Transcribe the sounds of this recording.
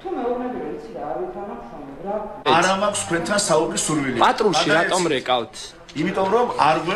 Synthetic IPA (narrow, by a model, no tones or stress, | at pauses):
t̪ʰumɛɔnɛbiɛsʰid̪aːɾwit̪ʰanaksɔnɡɾaaɾamakʰst̪kʰwɛnt̪ʰansaubisuɾwilipʼat̪ʼɾuʃiɾat̪ʼɔmɾɛkʼavt̪ʰ | imit̪ʼɔmɾɔmaɾɡwɛ